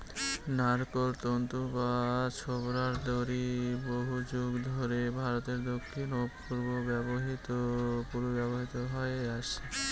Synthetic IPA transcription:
naɾkoɾt̪ont̪ubat͡ɕʰobɾaɾd̪ʱoɾiboɦud͡ʑoɡd̪ʱoɾebʱaɾot̪eɾd̪okʰːinoppuɾbobɛboɦit̪opuɾobɛboɦit̪oɦoeaʃe

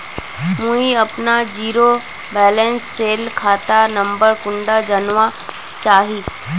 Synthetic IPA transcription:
muiɐpnad͡ʒiːɾo | bɛːlɛ̃nsːeːlkʰaːt̪anɐ̃mbəɾkʊ̃ɳɖad͡ʒənʋa | t͡ʃaːɦiː

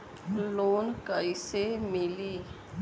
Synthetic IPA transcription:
loːnkəisemɪliː

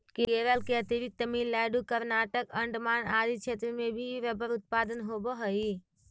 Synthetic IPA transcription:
kekeːɾəlkeət̪iɾɪk̚t̪əmiːnlaːɪɖukəɾnaːʈəkə̃ɳɖmaːnaːd̪it͡ʃʰeːt̪ɾəmẽbʱiʋɛbəɾʊt̪̚paːd̪ənɦoboɦəi

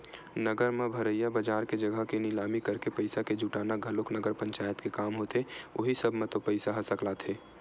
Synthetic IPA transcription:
nəɡəɾmẽbʱɐɾəjabəd͡ʒaːɾked͡ʒɐɡʱəɦkenɪlaːmikɐɾkepəɪsaked͡ʒuʈaːnaɡʱɐloknəɡəɾpə̃ɲt͡ʃaːjət̪kekaːmɦoːt̪ʰeoːɦisɐbʱmẽt̪opəɪsaɦɐsəklat̪ʰeː

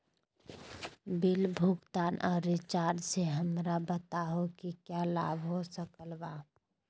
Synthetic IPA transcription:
bɪlbʱʊɡt̪aːnʔɔːɾːɪt͡ʃaːɾɖseɦəmɾabət̪aɦokikjala̰ːbɦosəkəlbaː

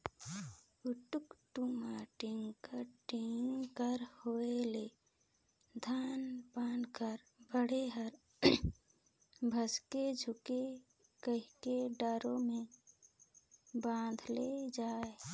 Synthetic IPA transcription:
ʊʈʊkʈumaʈiŋɡkəɾʈiŋkəɾhoːele | d̪ʱaːnpaːnkəɾ | bəɽ̤eɦəɾ | bʱəsked͡ʒʱʊke | kəɦikeɖəɾõmẽ | bãːd̪ʱled͡ʒaːe

